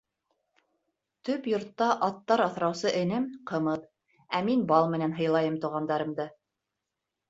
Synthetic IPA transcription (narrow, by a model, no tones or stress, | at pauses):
t̪ɵpjŏɾt̪ːɑʔɑt̪ːɑɾɑθɾɑwsɤʔɘ̆nɘmqɤ̆mɤt̚ | æminbɑlˠmɘ̆nænɦɤ̆jlˠɑjɤmt̪ŭʁɑnd̪ɑɾɤ̆md̪ɤ